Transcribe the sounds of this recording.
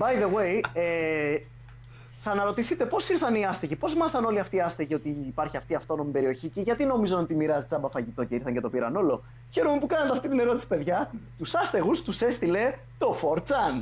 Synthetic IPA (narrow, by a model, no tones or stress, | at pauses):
bɐjðeweje | θɐnɐɾo̞t̪iθit̪e̞po̞siɾθɐniɐst̪eʝipo̞zmɐθɐno̞liɐft̪iːɐst̪eʝio̞t̪iːpɐɾçiɐft̪iɐft̪o̞no̞mipe̞ɾio̞çiciʝɐt̪ino̞mizonot̪imiɾɐzit͡sɐbɐfɐʝit̪o̞ce̞iɾθɐɲcet̪o̞piɾɐno̞lo̞ | çe̞ɾome̞pukɐnɐnt̪eɐft̪it̪ine̞ɾo̞t̪i̥si̥pe̞ðʝɐt̪usɐst̪eɣust̪use̞st̪ile̞ | t̪o̞fo̞ɾt͡sɐn